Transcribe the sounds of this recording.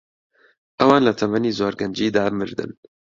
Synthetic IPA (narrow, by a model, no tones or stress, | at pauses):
ʔɐwɑːnlɐt̪ʰɐmɐniːzoːɾɡɐnd͡ʒiːd̪aːmɨɾd̪ɨ̰n